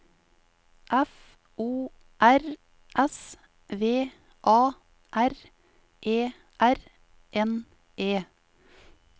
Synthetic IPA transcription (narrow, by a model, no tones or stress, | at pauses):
ʔɛf | ʔuː | ʔæɾ | ʔɛs | ʋeː | ʔɑː | ʔæɾ | ʔeː | ʔæɾ | ʔɛn | ʔeː